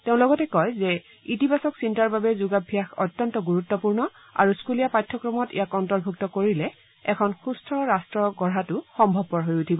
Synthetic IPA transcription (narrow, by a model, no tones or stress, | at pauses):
teʊ̃lɔɡɔtɛkɔjzɛ | itibasɔksintaɹbabɛzuɡabʱijaxɔ̰tːjɔntɔɡuɹutːɔpuɹnɔ | a̰ɹuskulijapajtʰːɔkɹɔmɔtḭjakɔntɔɹbʱuktɔkoɹilɛ | ɛkʰɔnxustʰɹɔɹastɹɔɡɔɹɦatʊxɔmbʱɔb̚pɔɹɦojutʰibɔ